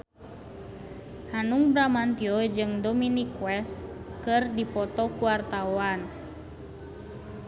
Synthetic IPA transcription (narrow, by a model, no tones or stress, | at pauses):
hanuŋbɾamant̪iɔd͡ʒɨŋdɔminikwɛskɨrdipɔt̪ɔkuwart̪awan